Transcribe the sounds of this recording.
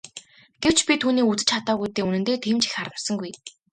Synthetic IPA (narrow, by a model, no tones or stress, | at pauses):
ɡ̥ew̥t͡ɕpʲit̪ʰuːniːut͡sɘ̥̆t͡ɕʰat̪aːɣujt̪eːunɘ̆nt̪eːt̪ʰiːmt͡ɕi̥xχaɾmə̆sə̆ŋɡuj